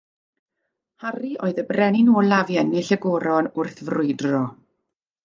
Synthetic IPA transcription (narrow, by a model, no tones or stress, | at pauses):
hariʔoːɨðəbrɛnɪnoːlavjɛnɪɬəɡɔɾɔnʊrθvrʊɨdrɔ